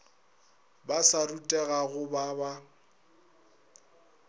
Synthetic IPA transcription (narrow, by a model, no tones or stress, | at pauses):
basarutʼɛɣaɣʊbaba